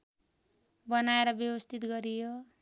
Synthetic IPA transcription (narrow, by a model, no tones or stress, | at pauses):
bʌnaeɾʌbjʌbʌst̪ʰit̪ɡʌɾijo